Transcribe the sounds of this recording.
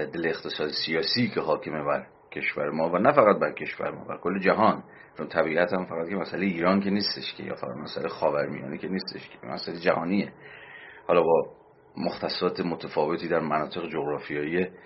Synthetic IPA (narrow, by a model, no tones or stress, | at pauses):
d̪eleːxt̪ʰe̞sɒːd̪esijɒːsiːcʰe̞ɦɒːcʰe̞me̞bæɾ | cʰe̞ʃvæɾe̞mɒːvænæfæɣæt̪̚bæɾcʰe̞ʃvæ̰ɾemɒ̰ːbæ̰ɾkʰo̞lːe̞d͡ʒæɦɒːn | t͡ʃʰo̞nt̪ʰæbiːʔæt̪hæmfæɣæt̪kʰʲe̞mæsælejiːɾɒːncʰe̞niːst̪eʃcʰe̞̰jɒ̰ːfæʁæ̰d̪mæsælejxɒːvæɾmḭjɒ̰ːnecʰeniːst̪e̞̰ʃkʰe̥ḭmæ̰sælejed͡ʒæhɒːnie | hɒːlɒːbɒː | moxt̪ʰæsɒːt̪ʰemot̪ʰæfɒːve̞t̪ʰiːd̪æɾmænɒːt̪ʰe̞ɣed͡ʒoɣɾɒːfijɒːie